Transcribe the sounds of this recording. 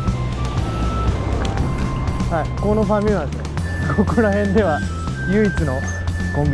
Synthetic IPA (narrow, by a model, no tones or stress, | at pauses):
haikonoɸãmʲĩmad̪esne | kʰo̞koɾaɦẽ̞nd̪e̞βa | jɯ̟it͡sɨno̞ | kõmbʲ